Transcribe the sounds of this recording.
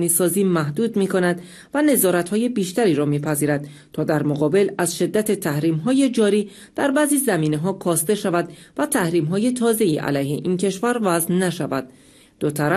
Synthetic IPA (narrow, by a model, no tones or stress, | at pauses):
niːsɒːziːmæhd̪uːd̪miːkʰo̞næd̪ | væne̞zɒːɾæt̪hɒːje̞biːʃt̪æɾiːɾɒːmiːpʰæziːɾæd̪̥ | t̪ʰɒːd̪æɾmoɣɒːbe̞læzʃe̞d̪ːæt̪ʰe̞t̪ʰæhɾiːmɦɒːje̞d͡ʒɒːɾiː | d̪̥æɾbæːziːzæmiːne̞ɦɒːkʰɒːst̪e̞ʃævæd̪væt̪ʰæhɾiːmɦɒːje̞t̪ʰɒːze̞iːʔæ̰læjhe̞̰ʔiːncʰe̞ʃvæɾvæznnæʃævæd̪̥̚ː | ot̪ʰæɾæ